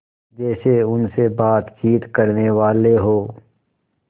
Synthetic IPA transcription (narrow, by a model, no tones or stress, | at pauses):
d͡ʒɛːseʊnsebaːt̪t͡ʃiːt̪kɐɾneʋaːleɦoː